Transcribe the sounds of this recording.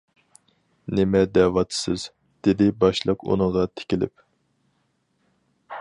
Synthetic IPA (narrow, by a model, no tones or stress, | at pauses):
nɪmɛd̪ɛwɑt̪ʰsɨz̥ | d̪̥ɪd̪ɪbɑʃlˠəqṵnəʁɑt̪ʰe̥kʲilɪ̰p̚